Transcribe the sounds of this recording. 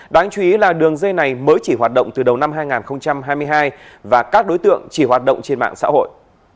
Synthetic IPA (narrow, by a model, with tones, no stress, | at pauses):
ɗaː˨˦ŋt͡ɕwi˧i˨˦laː˨˩ɗɨ˨˩əŋzə˧jna˨˩jməː˨˦jt͡ɕi˧˩ɦwaː˨˩t̚ɗə̰˧˨wŋ͡mt̪ɨ˨˩ɗə˨˩wna˧mɦaː˧jŋaː˨˩nxə˧wŋ͡mt͡ɕa˧mɦaː˧jmɨ˧əjɦaː˧j | vaː˨˩kaː˦˥k̚ɗo˨˦jt̪ɨ̰˧˨əŋt͡ɕi˧˩hwaː˨˩t̚ɗə̰˧˨wŋ͡mt͡ɕe˧nma̰ː˧˨ŋsa̰ː˧˥ho̰˧˨jʔ